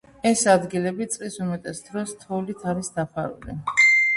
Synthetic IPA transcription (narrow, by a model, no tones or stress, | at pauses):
ɛsad̪ɡilɛbit̪sʼqʼlisumɛt̪ʼɛsd̪ɾɔst̪ʰɔlit̪ʰaɾisd̪apʰa̰ɾṵlḭ